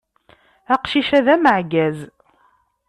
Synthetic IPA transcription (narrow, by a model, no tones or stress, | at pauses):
æqʃiʃæðæməʕɡæz